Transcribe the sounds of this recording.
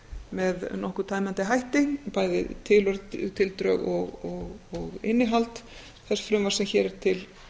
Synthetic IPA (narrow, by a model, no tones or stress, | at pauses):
mɛðnɔhkʏ̥t̪ʰaːjmɛnt̪ɪɦajht̪ɪŋpajðɪ̰t̪ʰɪlœɾt̪ʰɪlt̪ɾœɣɔɣɔɣɔɣɪnːɪɦalt̪ | θɛsfɾʏmvarsɛmçɛɾɪɾt̪ʰɪl